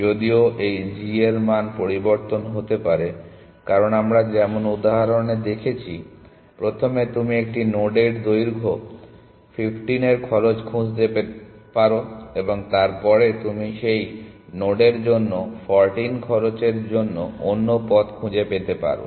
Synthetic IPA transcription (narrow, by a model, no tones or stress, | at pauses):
d͡ʑod̪ioʔejd͡ʑieɾmanpoɾiboɾt̪onɦot̪epaɾe | kaɾonamɾad͡ʑɛmonud̪aɦaɾoɾned̪ekʰet͡ɕʰi | pɾot̪ʰomet̪umiek̚ʈinoɖeɖd̪ojɾɡʱo | fifʈineɾkʰɔɾot͡ɕkʰũd͡ʑd̪epepaɾoeboŋt̪aɾpɔɾet̪umiʃejnoɖeɾd͡ʑonːofɔɾʈinkʰɔɾot͡ɕeɾd͡ʑonːo̰onːopɔt̪kʰũd͡ʑepet̪epa̰ɾo̰